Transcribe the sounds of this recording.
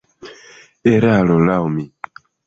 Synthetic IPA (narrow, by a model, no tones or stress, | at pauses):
eɾalolawmi